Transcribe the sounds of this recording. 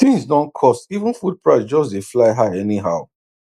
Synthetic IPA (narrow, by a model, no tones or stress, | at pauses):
θĩŋzsdɔ̃nkʰɔstivə̃nfud̚pʰɹaɪsd͡ʒɔsdeflaɪɦaɪɛniɦaʊ